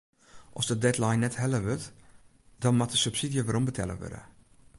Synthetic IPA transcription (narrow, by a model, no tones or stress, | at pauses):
ʔɔsdədɛtlajnːɛthɛləʋøt | d̥ɔnmatdəsypsidijəʋaːɾɔmbətʰɛ̰lə̰ʋø̰də̰